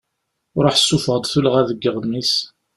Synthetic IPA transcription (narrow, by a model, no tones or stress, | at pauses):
ɾˤoħsːufəʁd̪ˤθulʁæðəɡːəʁðnis